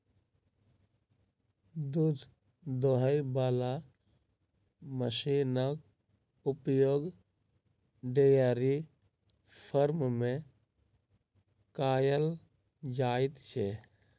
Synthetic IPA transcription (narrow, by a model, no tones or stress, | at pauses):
d̪ud̪ʱ | d̪oɦəjbaːla | məsinək | ʊpjoːɡ | ɖejaːɾi | pʰəɾmmẽ | kaːjəl | d͡ʒaːɪt̪t͡ʃʰe